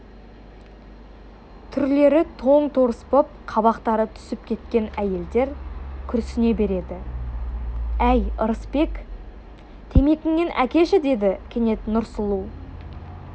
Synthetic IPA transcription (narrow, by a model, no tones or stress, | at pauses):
t̪ʰʏɾle̞ɾɪt̪ʰo̞ɴt̪ʰoɾəspəp̚qʰɑβɑqt̪ɑɾət̪ʰʏ̥sɪpkʲʰe̞t̪kʲe̞næje̞ld̪e̞ɾkʲʰʏɾsɪne̞be̞ɾe̞d̪ɪ | æjəɾəspe̞k | t̪ʰe̞me̞kʲɪŋnenʔæ̰kʲe̞ʃɪd̪e̞d̪ɪkʲʰe̞ne̞t̪nʊɾsəlˠu